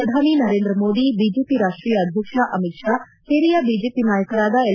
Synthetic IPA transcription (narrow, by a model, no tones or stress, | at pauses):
ɐd̪ʱaːninɐɾeːnd̪ɾɐmoːd̪ibiːd͡ʒeːpiɾaːʂʈɾiːjɐːd̪ʱjɐkʂaʔɐmitʂaː | seːɾijɐbiːd͡ʒeːpinaːjɐkɐɾaːd̪ɐe